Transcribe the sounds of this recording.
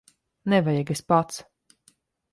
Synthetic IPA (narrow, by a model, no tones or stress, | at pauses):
nɛvajɛɡespat̪s